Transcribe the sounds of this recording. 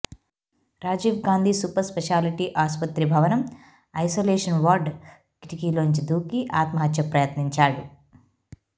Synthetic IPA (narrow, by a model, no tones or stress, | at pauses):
ɾaːd͡ʒiːʋɡaːnd̪ʱiːsuːpɐɾspɛʃaːliʈiʔaːspɐt̪ɾibʱɐʋɐnɐm | ɐjsoːleːʂɐnʋaːɾɖ | kiʈikiːloːɲt͡ʃid̪uːkiʔaːt̪mɐɦɐt̪ʃɐpɾɐjɐt̪niɲt͡ʃaːɽu